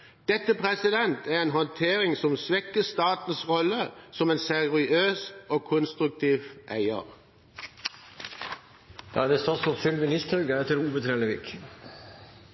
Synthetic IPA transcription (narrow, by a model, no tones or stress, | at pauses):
d̪̥ɛt̪əpʰʁɛsɪd̪ɛnt̪æʁeːnɦɔnt̪ʰeːʁɪŋsɔmsʋɛkːəst̪ɑːt̪n̩sʁɔləsɔmeːnsɛʁʁɪøːsʔoːkʰʊnst̪ʁʉk̚t̪ʰiːʋʔæɪə̰ʁ | d̪̥ɑ̰ːd̪est̪ɑsɔfʏlmɪnɪst̪ɾœɡəɛt̪əɾuːbət̪ʰɾeːləʋɪk